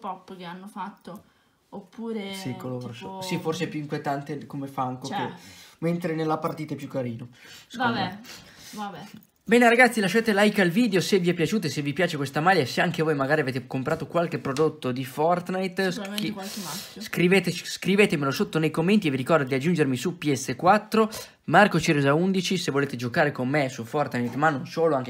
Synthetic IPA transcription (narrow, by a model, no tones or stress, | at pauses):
pɔpːk̟eanːofat̪ːo | opːuːɾesikolosiforseɛpjuiŋkwjet̪ant̪ekomefaŋkokement̪ɾenelːapart̪iːt̪aɛpːjukːaɾiːno | aɛ | vabɛ | bɛːneɾaɡat̪sːilaʃːaːt̪elajkalviːd̪eoseviɛpːjat͡ʃuːt̪oesevːipjaːt͡ʃekwest̪amaːljaeseaŋk̟evoːjmaɡaːɾiaveːt̪ekompɾaːt̪okwalkepːɾod̪ot̪ːod̪ifɔrt̪najt̪s | skɾiveːt̪et͡ʃskɾiveːt̪emelosot̪ːonejkomːent̪ieviɾikɔrd̪od̪iad͡ʒːund͡ʒeɾmisupiɛsːekwat̪ːɾo | markot͡ʃiɾezaund̪it͡ʃisevoleːt̪ed͡ʒokaːɾekomːesufɔrt̪najt̪manːonsoːloaŋk